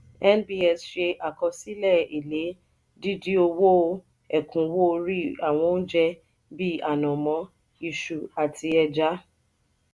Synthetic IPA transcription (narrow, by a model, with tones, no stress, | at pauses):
ɛ˦nbi˦ɛ˨sʃe˧ʔa˨kɔ˧si˦lɛ˦˨i˨le˨˦ | di˦di˦o˧wo˦ | ɛ˨kʰũ˨˦wo˦˧ɾi˦a˨w̃ɔ̃˧˦n̩˦d͡ʒɛ˦ | bi˦a˨nɔ̃˨mɔ̃˨˦ | i˧ʃu˨a˨tʰi˧ɛ˧d͡ʒa˦